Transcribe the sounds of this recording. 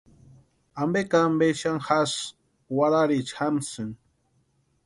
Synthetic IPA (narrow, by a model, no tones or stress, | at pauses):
ambekambeʃaŋxas | waɾaɾit͡ʃxamsɨŋ